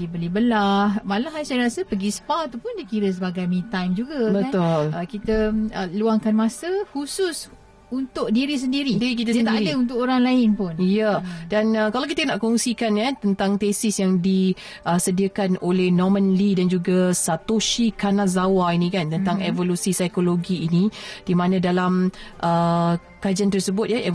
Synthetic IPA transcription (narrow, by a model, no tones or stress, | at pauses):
ibəlibəlahmalaɦajsajɾasəpəɡispat̪upʊndakiɾəs̬əbaɡajmĩt̪ajmd͡ʒuɡabəant̪ʊləkit̪əəluaŋkanmãsəhusus | unt̪ʊʔ̚diɾis̬əndiɾidiɾik̬it̪̬əsət̪aiɾidəunt̪̬ʊkoɾaŋlaɪnpʊnjadanəkalawk̬it̪ənaʔkɔŋsikankant̪ənt̪aŋt̪esɪsjaŋdi | ʔəsədiəkanolehnɔmə̃nlidand͡ʒuɡasat̪oʃikanazawainĩkant̪ənt̪aŋevolusisajkoloɡiːnid̥imãnãdalamʔə | kad͡ʒant̪̬ərsəbʊt̪̚jae